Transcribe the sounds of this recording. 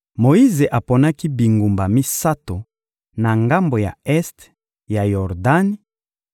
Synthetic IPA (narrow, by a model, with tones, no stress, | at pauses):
mo˨i˦ze˨ʔa˨po˨na˦ki˦bi˨ŋɡu˨mba˨mi˦sa˦to˨ | na˨ŋɡa˦mbo˨ja̰˨ɛ˦st | ja˨jɔ˨ʁda˦ni˦